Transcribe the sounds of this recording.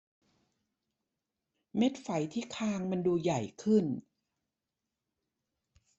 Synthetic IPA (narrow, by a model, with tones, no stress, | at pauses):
me˦˥t̪̚fa˨˩˦jt̪ʰiː˥˩kʰaː˧ŋma˧nduː˧ja˨˩jkʰɯ˥˩n